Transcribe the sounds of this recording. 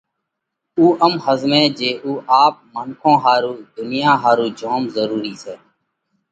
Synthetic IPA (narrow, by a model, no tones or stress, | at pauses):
uːʔəmhəzmẽːd͡ʒeːʔuːʔaːp̚məŋkʰõːɦaːɾuːd̪ʱʊnɪjãːɦaːɾuːd͡ʒʱoːmzəɾuːɾiːseː